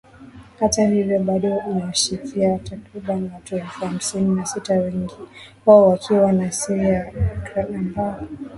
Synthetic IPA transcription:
hatahivjɔɓaɗɔunawaʃikʰiatakɾiɓanwatuɛlfuham̩sininasitawɛŋɡiwaɔwakʰiwanasiɾijakɾaamba

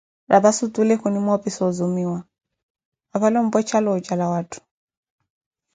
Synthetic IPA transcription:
ɾʔabasut̪ulɛkunimɔpisɔzumiwa | aβalɔm̩bɔt͡ʃʰalɔːt͡ʃʼalawaːtʰu̥

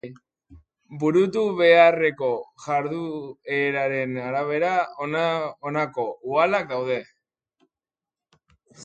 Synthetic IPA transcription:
buɾut̪uβe̞are̞ko̞ʝaɾðueɾaɾe̞naɾaβ̞e̞ɾa | onako̞ualakdawð̞e̞

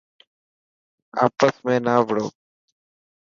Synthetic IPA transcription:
a̰ːpəsmẽːnaːbʱɽoː

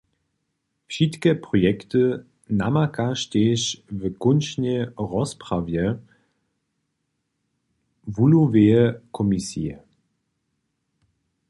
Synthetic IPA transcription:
fʃitkəpʁɔjɛktə | namakaʃteːʃvəkʊnʃnəʁɔspʁavjə | vuluveːəkʰɔmisḭə

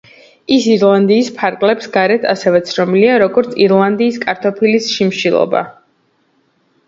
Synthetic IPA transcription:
isiɾlˠand̪iːspʰaɾkʼlɛpsɡaɾɛt̪ʰasɛvɛt̪sʰɾɔmiliaɾɔɡɔɾt̪sʰiɾlˠand̪iːskʼaɾt̪ʰɔpʰilisʃimʃilˠɔ̰ba̰

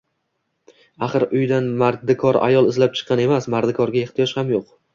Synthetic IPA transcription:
aχɨɾʊjd̪anmaɾd̪ɪkʰɒɾa̰jɒlˠɪzlap̚t͡ʃʰɨ̥qʰːɑne̞masmaɾd̪ɪkʰɒɾɡʲaeχt̪ɪjɒʃhamjoq

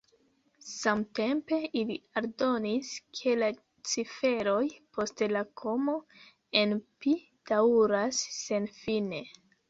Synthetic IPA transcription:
samte̞mpe̞iliaɾdo̞niskʰe̞la | t͡sife̞ɾo̞jpʰo̞stlakʰo̞mo̞ | enpi | d̥aɾasːe̞nfine̞

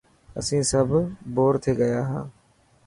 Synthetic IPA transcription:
ə̰sĩːsəbboːɾt̪ʰeːɡəjaːɦãː

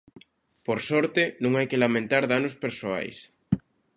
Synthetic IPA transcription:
poɾsɔɾt̪ɪnũŋajkelamẽnt̪aɾðanospeɾsoa̰js

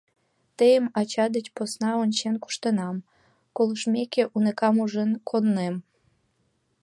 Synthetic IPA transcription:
t̪əjəmɑt͡ɕɑd̪ət͡ɕposnɑonʲt͡ɕenku̥ʃt̪ənɑm | koləʃmʲekeʔunekɑmuʒənkʰonːem

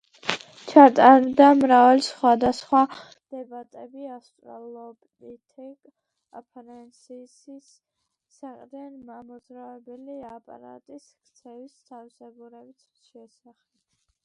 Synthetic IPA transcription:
t͡ʃʰat̪ʼaɾd̪amɾavalisχwad̪asχwa | d̪̥ɛbat̪ʼɛbiast̪ʼwa̰lˠɔbnit̪ʰɛkʼ | apʰɾɛnsʰisisː | aqʼd̪anmamɔd̪zɾavɛbɛliapʼa̰ɾa̰t̪ʼiskʰt̪sʰɛvist̪ʰavisɛɡuɾɛbit̪ʰʃɛsaχɛb

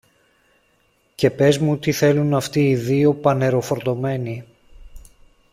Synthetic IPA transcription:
ce̞pe̞zmut̪iθe̞lunɐft̪iːðio̞pɐne̞ɾo̞fo̞ɾt̪o̞me̞ni

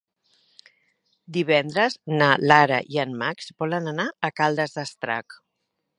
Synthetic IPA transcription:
d̪iβɛnd̪ɾəznalaɾa̰ʔianmaksbɔlənanaəkalˠd̪əzðəst̪ɾa̰k

